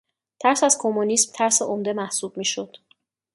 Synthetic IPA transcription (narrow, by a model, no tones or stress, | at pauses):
t̪ʰæɾsæz̥kʰomunismt̪ʰæɾseʔomd̪e̞mæhsuːb̥̚miːʃod̪̥